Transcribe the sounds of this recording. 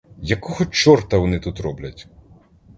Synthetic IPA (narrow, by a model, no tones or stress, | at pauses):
jɐkɔɦɔt͡ʃɔrt̪ɐʋɔnɪt̪ut̪ɾɔblʲɐtʲ